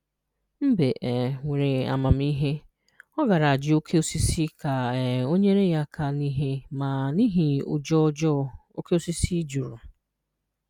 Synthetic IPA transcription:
m̩˦be˨ʔɛ˨ŋʷe˨ɾe˨a̰˨ma˨m̩˦i˦ɦe˦ | ɔ˦ɡa˨ɾa˨a˨d͡ʒɪ˨˦o˦kʰe˦o˦si˦si˦ka˨o˦ɲe˦ɾe˦ja˦kʰa˨ni˦ɦe˦ma˨ni˦ɦi˨ʊ˨d͡ʒɔ˦d͡ʒɔ˦o˦ke˦o˦si˦si˦d͡ʒu˨ɾʊ˨

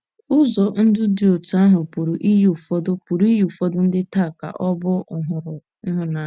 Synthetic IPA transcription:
ʊ˦zɔ˨n̩˦dʊ˦di˨o˨ta˦ɦʊ˨pu˨ɾu˨ʔi˦ju˨fɔ˦dʊ˦pu˨ɾu˨˦i˦ju˨fɔ˦dʊ˦n̩˦dɪ˦ta˦˨ka̰˨ʔɔ˦bʊ˦ʊ˨ɦʊ˨ɾʊ˨˦ | ɦʊ˨na˨

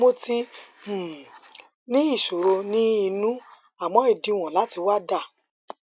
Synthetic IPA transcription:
mo˦tĩ˦˨ | nĩ˦i˦˨ʃo˨ɾo˧nĩ˦i˧nũ˦ | a˨mɔ̃˨˦i˦˨dĩ˨˧˨w̃ɔ̃˨la˨˦ti˧wa˦da˦˨

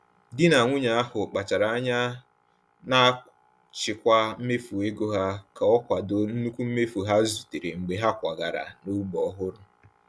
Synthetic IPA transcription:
dɪ˦na˨ŋʷʊ˦ɲa˨a˦hʊ˨k͡pa˨t͡ʃa˨ɾa˨a˦ɲa˦ | na˦ | t͡ʃɪ˨kʷa˦m̩˦me˦fu˨e˦ɡo˦ɦa˦ka˨ɔ˦kʷa˨do˨n̩˦nu˦kʷu˦m̩˦me˦fu˨ɦa˦zu˨te˨ɾe˨ŋ͡m̩˨ɡ͡be˨ɦa˦kʷa˨ɡa˨ɾa̰˨no˦bɔ˦ɦʊ˦ɾʊ˦

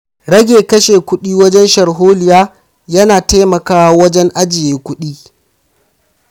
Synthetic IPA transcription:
ɽɐ˦ɡʲeː˨kɐ˦ʃeː˨kʷʊ˦ɗiː˦wɐ˦d͡ʒɛ˦nʃɐ˨ɽɦoː˦lɪ˨jaː˦ | jɐ˦naː˨te˦mɐ˨kaː˦wa˦wɐ˦d͡ʒɛ˦ŋʔa˦d͡ʒɪ˨jeː˦kʷʊ˦ɗiː˦

